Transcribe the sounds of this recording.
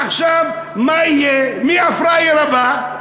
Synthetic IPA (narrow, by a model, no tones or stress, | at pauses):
χʃav | majɛmiafɾajelaba